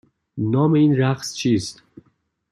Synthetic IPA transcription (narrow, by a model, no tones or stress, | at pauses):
nɔːmeinɾaqst͡ʃʰist̪